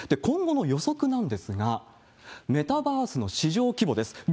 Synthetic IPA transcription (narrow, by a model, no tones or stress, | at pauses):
d̪̥e̞kõ̞ŋɡo̞no̞jo̞so̞kɯ̟nãnd̪e̞sɨɡa | me̞t̪abaːsɨno̞ɕiʑo̞ːkʲibo̞d̪e̞sɨ̥